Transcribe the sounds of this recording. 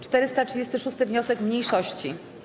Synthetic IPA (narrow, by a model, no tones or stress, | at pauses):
t͡ʂt̪ɛɾɘst̪atʂɘd͡ʑest̪ɘʂust̪ɘvɲɔsɛkmɲejʂɔɕt͡ɕi